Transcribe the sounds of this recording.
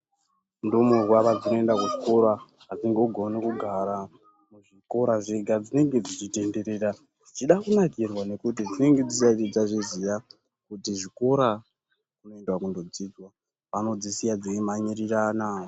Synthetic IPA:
mdomurwaʋad͡zino̞e̞ndakuʐiko̞ɾa | ɦad͡ziŋɡeoɡʱonekuɡʱaɾa | muʐiko̞ɾaʐeɡʱad͡zine̞ŋɡe̞d͡zit͡ʃite̞nde̞ɾe̞ːɾa | ʐit͡ʃiɗakunakirwane̞kut̬id͡zine̞ŋɡe̞d͡zisaid͡zaʐizija | kutiʐiko̞ɾa | kuno̞e̞ndwakundod͡zid͡zwa | pano̞d͡zisijad͡zeːmaɲiriranaːo

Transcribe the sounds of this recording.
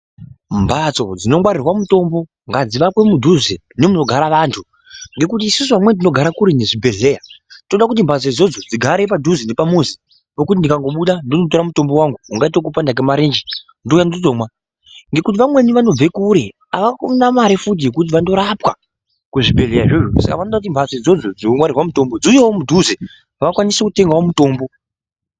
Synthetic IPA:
mbat͡so̞̰d͡zino̞mwaɾirwamuto̞mbo̞ | ŋɡad͡ziʋakwe̞mudʱuze | nemuno̞ɡʱaɾaʋaːntʰu | ŋɡe̞kutiːsusuamwe̞ndino̞ɡʱaɾakuɾine̞ʐibʱe̞ɮe̞jatoɗakutimbat͡so̞id͡zo̞d͡zod͡ziɡʱaɾe̞p̬adʱuzine̞pamuzi | pokutindikaŋɡo̞ɓuɗandonot̬o̞ɾamuto̞mbo̞waŋɡuuŋɡaitokupandak̬emaɾeːnd͡ʒi | ndojanotomwa | ŋɡe̞kut̬iʋamwe̞niʋano̞b͡ve̞kuɾe̞ | aʋakunamaɾefut̬ije̞kut̬iʋando̞ɾapwa̰ | kuʐibʱe̞ɮe̞jaʐeʐosa̰ka̰ʋanoɗakut̬imbʱazed͡zo̞d͡zod͡zinomwaɾirwamuto̞mbod͡zujewomudʱuzi | ʋakwanisekute̞ŋɡawomuto̞ːmbo̞

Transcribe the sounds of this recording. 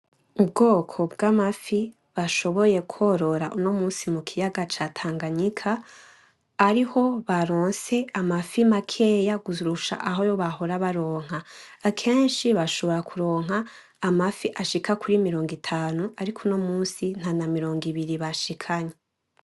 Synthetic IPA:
ub̚ɡo̞ːkʰo̞bɡamafi | βaʃo̞βo̞je̞kʰo̞ɾo̞ɾaʔuno̞muːsimukʰijaɡat͡ʃatʰaːŋɡaɲikʰaː | ɾiho̞βaɾoːnse̞amafimakʰe̞jaɡuzuɾuʃa̰ʔaɦo̞jo̞βaɦo̞ɾaβaɾoːŋ̥haːkʰe̞ːnʃiβaʃo̞βo̞ɾakʰuɾo̞ːŋ̥ɦaː | mafiʔaʃikakʰuɾimiɾo̞ːŋɡitʰaːnuaɾikʰuno̞muːsin̥anamiɾo̞ːŋɡiβiɾiβaʃikʰaɲe

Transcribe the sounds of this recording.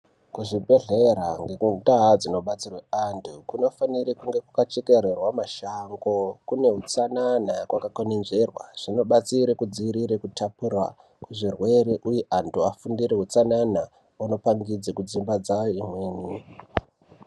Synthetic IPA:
kuʐibʱe̞ɮeɾaŋɡekundaɦad͡zino̞ɓat͡sirweantʰukuno̞faniɾikuŋɡe̞kukat͡ʃeke̞rerwamaʃaŋɡo̞kune̞ɦut͡sananakwakakonenʐerwa̰ʐ̥ino̞ɓat͡siɾekud͡ziiɾiɾekutʰapurwa̰ | kuʐirwe̞ɾeʔujeʔantuafundiɾeɦut͡sanana | wano̞paŋɡid͡zekud͡zimbad͡zajoimweːni

